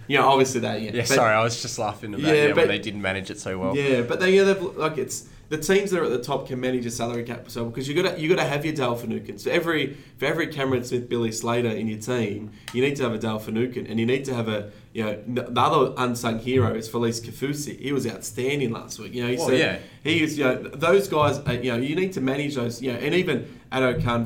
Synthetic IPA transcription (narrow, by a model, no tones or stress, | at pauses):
jɨnoʊɔbviɨsliðætjɛ̃jɛsb̥ʌsɑɹiaɪwʌzd͡ʒʌstˡlæ̰fɪ̃ŋðɨjæbʌðeɪdɪdⁿn̩mænɨd͡ʒɨtsoʊwɛlˠjæb̥ʌt̪̚ðɨ̃njɨnoʊðeɪvllaɪkɨts | ðɨtʰĩmzðəɾə˞ɨt̪̚ðɨtʰɔp̚kʰɨ̃nmæñɨd͡ʒə˞sælˠə˞ikʰæ̰p̚pə̥soʊbɨkʰʌzjɨɡɑɾɨjɨɡɑɾɨːvjə˞dɛlˠfɨnʉkɨ̃nsoʊɛvɹi | fəɛvɹikʰæmə˞ɨ̃nsmɪθb̥ɪlˠisleɪɾə˞ɪ̃njə˞tʰĩm | jɨnid̚tɨːvɨdɛlˠfɨnʉkɨ̃nʔɨ̰̃njɨnid̚tɨːvɨ | jɨnoʊnðiʌðə˞ʔʌ̃nsʌ̃ŋhiɹoʊɨz̥fə˞liskʰɨfʉsḭhiwʌzaʊtstæ̃ndɪ̃ŋlæ̰st̚wḭkjɨnoʊhisɛd | hizjɨnoʊðoʊzɡaɪzɨjɨnoʊjɨnid̚tʰɨmæñɨd͡ʒðoʊzjɨnoʊʔɨ̃ñivɨ̃n | ʔæɾoʊkʰɑ̃n